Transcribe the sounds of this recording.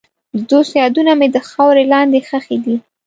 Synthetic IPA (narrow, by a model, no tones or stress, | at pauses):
d̪osjɑd̪unamed̪əxɑwɾelɑnd̪exəxed̪i